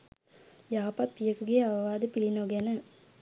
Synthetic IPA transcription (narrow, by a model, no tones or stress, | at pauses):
jaːpapːijɐkɯɡeɐʋɐʋaːd̪ɯpilinoːɡɐnɐ